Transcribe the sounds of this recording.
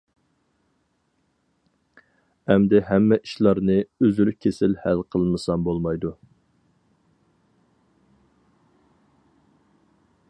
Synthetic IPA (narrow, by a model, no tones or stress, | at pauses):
ɛmd̪ɛɦɛmːɛʔiʃlˠɑɾnɨøzylkʲʰesɪlhælqʰəlˠmɨsɑmbolˠmɑjd̪u